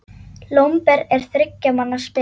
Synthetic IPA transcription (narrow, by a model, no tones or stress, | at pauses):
lowmpɛɾɛɾ̥θɾɪcːamanːaspɪ